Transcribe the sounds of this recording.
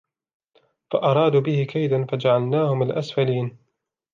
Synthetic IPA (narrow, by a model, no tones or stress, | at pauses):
faʔɑɾˤɑːd̪uːbɪhɪkajd̪anfad͡ʒaʕalnaːhʊmalʔasfaliːn